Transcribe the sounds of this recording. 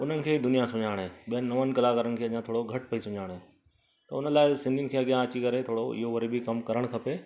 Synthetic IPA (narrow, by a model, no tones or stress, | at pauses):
ʊn̤ənɪ̆kʰeːid̪ʊnijasʊ̃ɲaːɽ̃ɦẽːɓijənɪnɐʋənɪ̆kɐlakəɾənɪ̆kʰeːɐʄãt̪ʰoːɽoɡʱɐʈpɐisʊ̃ɲaːɽ̃ẽː | t̪ɐʊnəlaːɪsɪ̃nd̪inɪ̆kʰeːɐɡjãɐt͡ɕikɐɾet̪ʰoːɽoɪ̰ɦoʋɐɾibʱikɐmkɐɾəɽ̃kʰɐpe